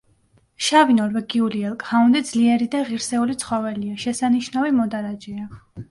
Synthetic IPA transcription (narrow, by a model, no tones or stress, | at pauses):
ʃavinɔɾvɛɡiuliɛlˠkʼhaund̪id̪zliɛɾid̪aʁiɾsɛulit̪sʰχɔvɛliaʃɛsaniʃnavimɔd̪aɾad͡ʒɛa